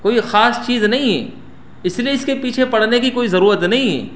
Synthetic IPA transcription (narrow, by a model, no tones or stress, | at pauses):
koːixaːst͡ʃiːznɐɦĩɦɛ̰ː | ɪslieɪskepiːt͡ʃʰepɐɽ̤nekikoːizɐɾuːɾət̪nɐɦĩɦɛ̰ː